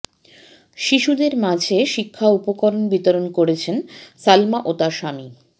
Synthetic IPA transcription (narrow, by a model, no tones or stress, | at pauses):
ʃiʃud̪eɾmad͡ʑʱeʃikʰːaupokoɾonbit̪oɾonkoɾet͡ɕʰensalmaʔot̪aʃami